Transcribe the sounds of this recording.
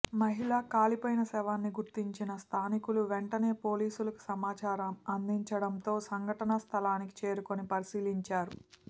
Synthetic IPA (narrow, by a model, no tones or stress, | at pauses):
mɐɦilaːkaːlipoːjinɐsɛːʋaːnːiɡuɾt̪iɲt͡ʃinɐst̪ʰaːnikuluʋeɳʈɐne̞ːpo̞ːliːsulɐku̥sɐmaːt͡ʃaːɾɐmɐnd̪iɲt͡ʃɐɽɐnt̪o̞ːsɐŋɡʱɐʈɐnɐst̪ʰɐlaːniki̥t͡ʃe̞ːɾuko̞nipɐɾisiːliɲt͡ʃaːɾu